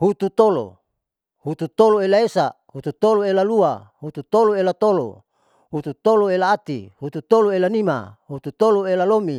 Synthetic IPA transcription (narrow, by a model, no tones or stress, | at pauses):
hut̪ut̪olo̰ | hut̪ut̪oloelaesa | hut̪ut̪oloelaluahut̪ut̪oloelat̪olo̰ | hut̪ut̪oloelaːt̪ḭhut̪ut̪oloelanima̰hut̪ut̪oloelalomi